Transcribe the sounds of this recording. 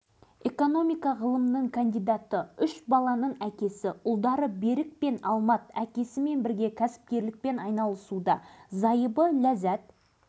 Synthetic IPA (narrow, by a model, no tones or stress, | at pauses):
e̞ko̞no̞mijkɑʁəlˠəmnəɴkʰand̪ijd̪ɑt̪əʏʃbɑlˠɑnəɴækʲe̞sɪʊlˠd̪ɑɾəbe̞ɾɪk̚pe̞nɑlˠmɑt̪ækʲe̞sɪme̞nbɪɾɡʲe̞kʲʰæsɪ̥p̚kʲe̞ɾlɪk̚pe̞nɑjnɑlˠəsud̪ɑzɑjəbəlæzæt̪̚